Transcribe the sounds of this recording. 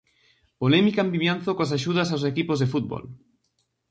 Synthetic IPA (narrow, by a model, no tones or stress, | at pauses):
polɛmikambiβjanθokoasaʃuðasaws̬ekipozðefut̪̚bo̰l